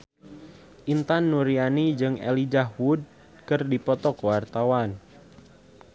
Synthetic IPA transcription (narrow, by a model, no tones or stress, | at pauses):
ʔint̪anːuɾianid͡ʒɨŋɛ̰lid͡ʒaɦwud̚ | kɨrdipɔt̪ɔkwart̪awan